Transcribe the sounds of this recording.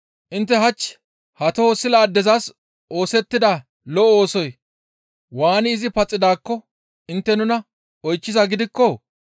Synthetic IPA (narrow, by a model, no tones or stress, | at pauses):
ʔɪnt̪ːɛɦɐt͡ʃː | hɐt̪ɔosɪlaːd̪ɛzas | o̞ːsɛt̪ːɪd̪a | lɔʔɔoːsɔj | waːnɪɪzɪpɐt͡sʼːɪd̪aːkːɔ | ʔɪnt̪ːɛnʊnɐ | ɔjt͡ʃːɪzɐɡɪd̪ɪkːɔ